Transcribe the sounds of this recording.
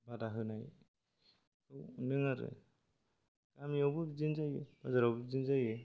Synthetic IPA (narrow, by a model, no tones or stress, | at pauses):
badaɦɯnaj | ɯwnɯŋaɾɯ̰ | kamiawbɯzɯnzajɯbazaɾawbɯzɯnzajɯ